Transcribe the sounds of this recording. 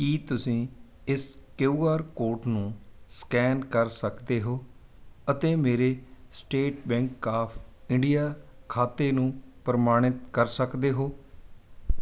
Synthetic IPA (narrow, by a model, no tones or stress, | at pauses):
kiːt̪ʊsĩː | ɪskeuːaːɾkoːɾʈnũːskɛːnkəɾsəkd̪eːɦoːət̪eːmeːɾeːsʈeːʈbɛ̃ːŋkːaːpʰɪɳɖijaːkʰaːt̪eːnũːpəɾəmaːɽ̃ɪt̪kəɾsəkd̪eːɦoː